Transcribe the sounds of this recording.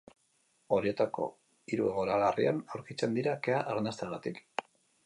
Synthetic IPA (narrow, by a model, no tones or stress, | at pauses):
o̞ɾie̞t̪ako̞̰ | iɾue̞ɣo̞ɾalaria̰nawɾkit͡se̞nd̪iɾake̞aʔaɾnast̪aɣat̪ik